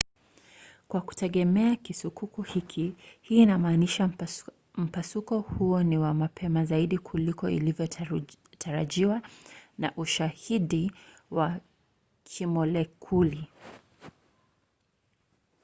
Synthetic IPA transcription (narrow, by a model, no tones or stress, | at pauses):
kwaku̥tɛɠɛmɛakisukukuhikʰihiːnamaːniʃa | m̩pasukɔhuɔniwamapʰɛmazaiɗikʰulikɔḭlivjɔtʰaɾaʄiwanaʔuʃahiɗi | wa | kʰimɔlɛkʰuli